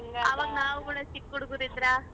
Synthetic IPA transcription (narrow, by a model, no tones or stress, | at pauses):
ɐʋaːɡnaːʋuɡuːɽɐsikːuɽɡuɾid̪ɾa